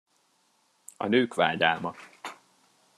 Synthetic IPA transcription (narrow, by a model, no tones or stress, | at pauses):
ɒ̰nøːkʋa̰ːɟaːrmɒ